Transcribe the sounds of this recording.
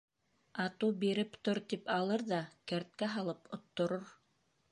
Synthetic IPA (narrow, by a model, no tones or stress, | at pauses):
ɑt̪ubiɾɘpt̪oɾt̪ipɑlˠɤɾðɑkæɾt̪̚kæɦɑlˠɤpŏt̪ːŏɾoɾ